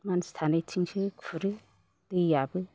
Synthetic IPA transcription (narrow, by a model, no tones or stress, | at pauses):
manst̪ʰanajtʰiŋsɯkfʰɯɾɯ | d̥ɯjabɯ